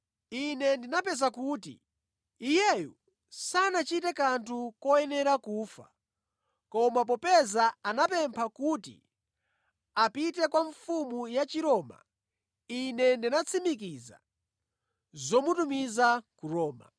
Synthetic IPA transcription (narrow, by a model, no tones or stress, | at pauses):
inɛndinapɛzakuːtḭː | jɛjṵ | sanat͡ʃitɛkantʰukɔjɛnɛɾakuːfa | kɔmap̬ɔpɛzaanapɛmpʰakutḭ | apitɛkwaɱfumujat͡ʃiɾɔːma̰ | inɛndinat͡sʰimik̬iza̰ | zɔmutumizakuɾɔːma̰